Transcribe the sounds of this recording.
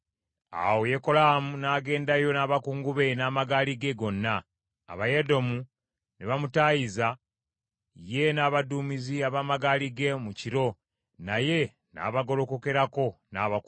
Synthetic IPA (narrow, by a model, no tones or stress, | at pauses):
a̰woje̞ko̞lamunaːɡe̞ːndajo̞naːβakuːŋɡuβe̞naːmaɡaːliɡe̞ɡo̞nːa̰ː | βajedo̞mu | neβamutajiza | je̞naːβaduːmiziaβaːmaɡaːliɡe̞muciɾo̞ | naje̞ | na̰ːβaɡo̞lo̞ko̞ke̞ɾako̞naːβak